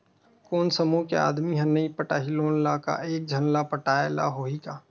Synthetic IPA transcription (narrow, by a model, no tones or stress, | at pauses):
koːnsəmukḛa̰ːd̪miɦɛ̃nɐipəʈaːɦiloːnlaka̰ʔeːk̚d͡ʒʱɐnlapəʈaːela̰ɦoːɦikaː